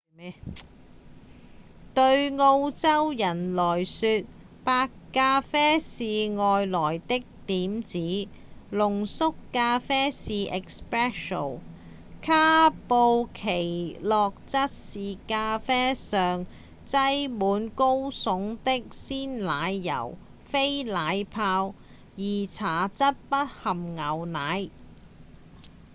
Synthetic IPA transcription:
t̪ɵ˧ɥŋo˧wt͡sɐ˥wjɐ˨˩nlɔː˨˩jsyː˧t̚ | paː˧kːaː˧fɛː˥siː˨˧ŋɔː˨jlɔː˨˩jt̪ɪ˥k̚t̪iː˨˥mt͡siː˨˥ | lʊ˨˩ŋsʊ˥kːaː˧fɛː˥siː˨ʔɛ˨kspɹɛː˥ʃo̰˨˩n | kʰaː˥po˧wkʰe˨˩jlɔː˨k̚t͡sɐ˥t̚siː˨kaː˧fɛː˥sœː˨ŋ | t͡sɐ˥jmuː˨˥nko˥wsʊ˨˥ŋt̪ɪ˥k̚siː˥nlaː˨˧jːɐ̰˨˩w | fe˥jlaː˨˧jpʰaː˧w | jiː˨˩t͡sʰaː˨˩t͡sɐ˥t̚pɐ˥t̚hɐ˨mŋɐ˨˧wnaː˨˧j

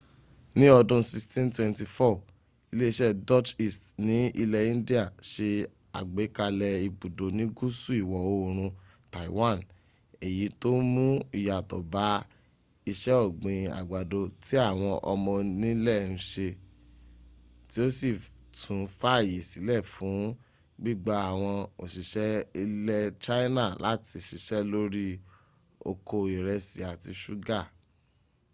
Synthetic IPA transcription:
nĩ˦ɔ˧dũ˧si˧stĩ˦ntwɛ̃˧nti˧fɔ˦˨ | i˧le˦i˦˧ʃɛ˦dɔ˦t͡ʃi˦˨stnĩ˨˦i˧lɛ˧ĩ˦n˦di˦a˦˨ʃe˧ | a̰˨ɡ͡be˨˦ka˧lɛ˧i˧bu˨do˨nĩ˨˦ɡu˦su˦i˦˨wɔ˨o˧˦˨ɾ̃ũ˧ | ta˨i˨wã˦˨n | e˨ji˨˦to˦mũ˦i˨ja˨tɔ̰˨ba˨˦ | i˧ʃɛ˦ɔ˦˨ɡ͡bĩ˨a̰˨ɡ͡ba˨do˧ti˦a˦˨w̃ɔ̃˧ʔɔ˧mɔ̃˧nĩ˦lɛ˦˨ñ̩˧˦ʃe˧ | ti˦o˦si˦˨ | tʰũ˨fa˦˨ji˨si˨˦lɛ˦˨fũ˨˦ | ɡ͡bi˦˨ɡ͡ba˦a˦˨w̃ɔ̃˧o˨ʃi˨ʃɛ˦i˧lɛ˦t͡ʃa˦nã˦˨la˦ti˧˨ʃi˨ʃɛ˦lo˦ɾi˦ | o̰˧ko˧i˨ɾɛ˧si˨a˨ti˧ʃu˦ɡa˦˨

